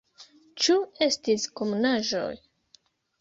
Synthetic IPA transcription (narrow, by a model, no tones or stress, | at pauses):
t͡ʃue̞stiskomunaʒo̞̰j